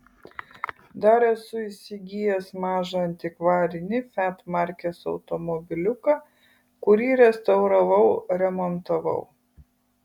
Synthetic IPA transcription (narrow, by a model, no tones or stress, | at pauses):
d̪ɐɾɛsʊɪsʲɪɡʲijɛsmɑːʒɐɐnʲt̪ʲɪkʋɑːɾʲɪnʲɪfʲæːt̪mɑˑɾʲkʲesɒ̰ʊt̪ɔmɔbʲɪlʲʊkɐ | kʊɾʲiːɾʲɛst̪ɐʊɾɐʋɐʊɾʲɛmɔnt̪ɐʋɐ̰ʊ